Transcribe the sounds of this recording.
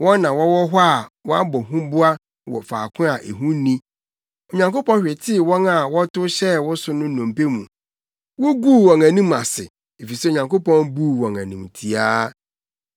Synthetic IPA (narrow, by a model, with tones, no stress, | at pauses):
wɔ̃˦nː˦ã˨wɔ˦wɔ˦ɦɔ˦a˨wɔ˦a˦bɔ˨ɦũ˦bʊ˦a˦ | wɔ̰˨faː˨kʰʊ̃˦a˨ʔe˨ɦũ˦nĩ˦ | o˨ɲã˨ŋko˦pɔ̃˦nɕᶣɪ˨tʰɪ˦˨wɔ̃˦na˨wɔ˦tʊ˦ɕɛ˦wɔ˦sʊ˦nʊ̃˦nɔ̃˨m̩˨pe˦mũ˨ | wo˦ɡu˦˨wɔ̃˨ŋæ̃˨nĩ˦ma˨sɪ̰˨ | e˨fi˨sɛ˦o˨ɲã˨ŋko˦pɔ̃˦nbu˦wɔ̃˨ŋæ̃˨nũ˨mtʰi˨aː˦